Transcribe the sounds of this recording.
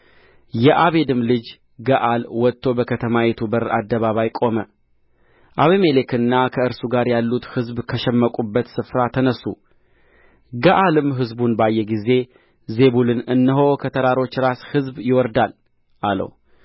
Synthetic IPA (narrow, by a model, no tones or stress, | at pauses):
jɛʔaβe̞d̪ɨmlɨd͡ʒ | ɡəʔalwɔt̪ːo̞bəkʰət̪ʰəmawɛt̪ʰubəɾa̰d̪ːəβaβajkʼo̞mə | ʔaβeme̞lekʰɨnːakʰəɨɾsuɡaɾjalːut̪hɨzbkʰəʃɛmːəkʼubːət̪sɨfɾat̪ʰənəsːu | ɡəʔalɨmɦɨzbunbajːɛɡize̞ | ze̞βulɨnɨnːɨɦo̞kʰət̪ʰəɾaɾo̞t͡ʃːɾashɨzbjɪwɔɾd̪al | ʔalə̰w